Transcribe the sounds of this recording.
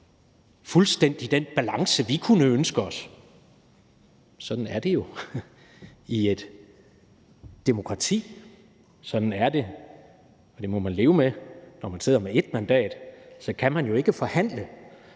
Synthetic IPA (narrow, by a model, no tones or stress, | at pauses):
fulsd̥en̰d̥id̥enb̥ælɑ̈ŋsəʋikʰunəønsɡ̥əɒs | sɒ̽d̥n̩æɐd̥e̝jo̝ | ie̝d̥ | d̥emo̝kʰʁɑ̈t͡sʰḭː | sɒ̽d̥n̩æɐd̥e̝ | ɒ̽d̥e̝mɒ̽mænle̝ːʊəmenɒmænse̝ð̰ˠɐmee̝d̥mænd̥ɛ̰ːd̥sɒ̽kʰæmænjo̝e̝ɡ̥əfɒ̽hæn̰lə